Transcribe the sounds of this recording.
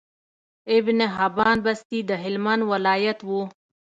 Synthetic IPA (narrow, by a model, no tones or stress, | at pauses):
ɪbneɦabɑːnbast̪id̪əɦɪlmanwalɑːjat̪wu